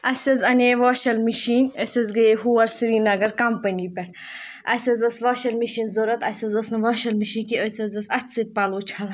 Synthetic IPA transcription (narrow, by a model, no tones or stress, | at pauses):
ɐsʲɐzɐneʋoːʃɐlmiʃiːnʲəsʲɐzɡɐɦuɐɾsiɾiːnɐɡɐɾkɐmpɐnʲipɛ | ɐsʲɐzɐsʋɐːʃɐlmiʃinzoɾɐt̪ɐsʲɐzɐsnɐʋoːʃɐlmiʃiːnkiəsʲɐzɐsɐt̪ʲsɨt̪̚paloːt͡ʃʰɐl